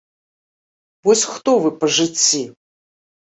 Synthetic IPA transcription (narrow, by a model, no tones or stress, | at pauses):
vɔsʲxt̪ɔvɨpɐʐɨt͡sʲːi